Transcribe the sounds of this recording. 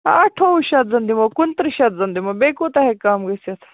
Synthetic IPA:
ɐʈʰouʃɐt̪zɐnd̪imokunt̪ɾiʃɐt̪̚zɐnd̪imɐbeːkoːt̪ɐɦekaːmɡɐsɐt̪ʰɐ̥

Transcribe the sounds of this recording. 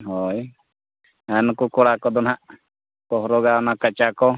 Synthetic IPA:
ɦɔj | ankukɔɽakɔd̪ɔnɦaʔ | pɔɦɾɔɡaɔnakət͡ʃakɔ

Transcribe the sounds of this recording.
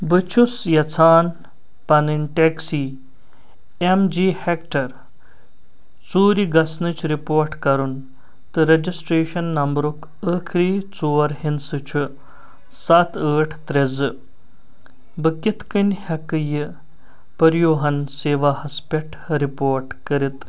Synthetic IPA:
bɨt͡ʃʰusjɐt͡sʰaːn | pɐnɨnʲʈeksiː | emd͡ʒiːhekʈɐɾ | t͡suːɾiɡɐsnɨt͡ʃʰɾipoːɾʈkɐɾun | t̪ɨɾɐd͡ʒisʈɾeːʃɐnːɐmbɾuk | əkʰɾiːt͡soːɾɦinsɨt͡ʃʰu | sɐt̪ʰəːʈʰt̪ɾezɨ | bɨkʲit̪ʰkɨnʲhɐkɨjɨ | pɐɾjoːɦɐnseːʋaːɦɐspʲeʈʰɾipoːɾʈkəɾit̪

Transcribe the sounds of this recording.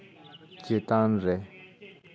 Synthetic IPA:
cet̪aŋɹeʔ

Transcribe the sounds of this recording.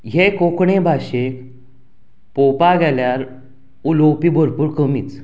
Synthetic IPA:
ɦekokɳebʱaɕe | popaɡʱɛljaɾ | ulowpiːbʱəɾpuːɾkəmiːt͡s

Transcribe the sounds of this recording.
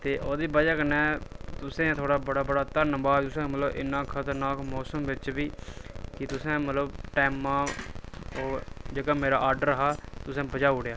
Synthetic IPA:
t̪eːʔoːd̪iːbəd͡ʒaːkənɛːt̪ʊsẽːt̪ʰoːɽaːbəɽaːbəɽaːt̪ənəmbaːt̪ʊsẽːmət̪ləbɪ̰nːãːkʰət̪əɾnaːkmɔːsəmʋɪt͡ʃʋiːkɪt̪ʊsẽːmət̪ləbʈɛːmːãː | oːd͡ʒəɡãːmeːɾa̰ːʔaːɾɖəɾɦaːt̪ʊsẽːbəd͡ʒaːuɽejaː

